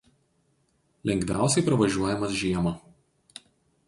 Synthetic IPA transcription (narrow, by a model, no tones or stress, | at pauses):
lʲɛŋʲɡʲʋʲæˑʊsʲɛɪpɾɐʋɐʒʲuɔjɛmɐsʒʲiɛmɐ